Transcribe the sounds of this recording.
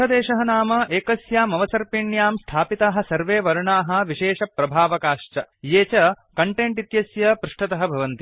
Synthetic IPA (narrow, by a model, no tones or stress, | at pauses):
ɐd̪eːʃɐɦɐnaːmɐʔeːkɐsjaːmɐʋɐsɐɾpiɳjaːmst̪ʰaːpit̪aːɦɐ̆sɐɾʋeːʋɐɾuɳaːɦɐ̆ʋiʃeːʃɐpɾɐbʱaːʋɐkaːʂt͡ʃɐjeːt͡ʃɐ | kɐɳʈeɳʈit̪jɐsjɐpɾuʂʈɐt̪ɐɦɐ̆bʱɐʋɐnt̪i